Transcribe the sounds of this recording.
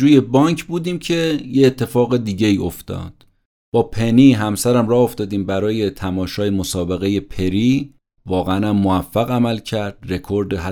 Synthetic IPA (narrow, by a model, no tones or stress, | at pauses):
uːje̞bɒːɲkʰbuːd̪iːmcʰe̞jeːt̪ʰːe̞fɒːɣe̞d̪iːɟe̞iːo̞ft̪ɒ̰ːd̪̥ | b̥ɒːpʰe̞niːɦæmsæɾæmrɒːhoft̪ɒːd̪iːmbæɾɒːje̞t̪ʰæmɒːʃɒːjemosɒːbe̞ɣe̞je̞pʰe̞ɾiː | vɒːɣeænæmːoæfːæɣæmælcʰæɾd̪̥re̞kʰo̞ɾd̪eɦæ